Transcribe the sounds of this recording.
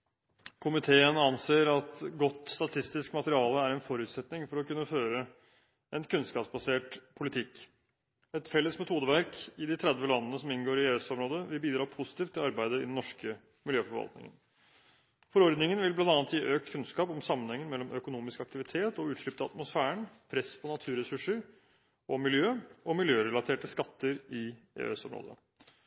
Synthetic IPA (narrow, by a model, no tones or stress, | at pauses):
kʰʊmɪt̪ʰeːənɑnseːɾɑt̪ɡɔt̪ːst̪ɑt̪ʰɪst̪ɪskmɑt̪əɾɪɑːləæɾɛnfɔɾʉːt̪sɛt̪nɪŋfɔɾɔkʉnːəføːɾə | ɛnkʰʉnskɑːpsbɑseːʈpʰʊlɪt̪ʰɪk | ɛt̪fɛlːəsmɛt̪ʰuːd̪əʋæɾkɪd̪ɪt̪ʰɾɛd̪ʋəlɑnːənəsɔmɪnɡoːɾɪeːsɔmɾoːd̪əʋɪlbiːd̪ɾɑːpʰʊsɪ̥t̪iːft̪ʰːɪlɑɾbæɪd̪əɪ̰d̪n̩ːɔʂkə | mɪljøːfɔɾʋɑ̰lt̪nɪ̰ŋə̰n | fɔɾɔɾd̪nɪŋənʋɪlblɑnd̪ɑnət̪jiːʔøːk̚t̪kʰʉnskɑːpɔmsɑmːənhɛŋːənmɛlːɔmœkʊnuːmɪskɑkt̪ɪʋɪt̪ʰeːt̪ɔʉːt̪ʂɭɪp̚t̪ʰɑ̰t̪mʊsfæːəɳpʰɾɛspʰɔnɑt̪ʰʉːɾɛsʉʂəɾ | ɔmɪljøːɔmɪljøːɾɛlɑt̪ʰeːʈəskɑt̪ːəɾɪ | ḛːɛsɔ̰mɾo̰ːd̪ə̰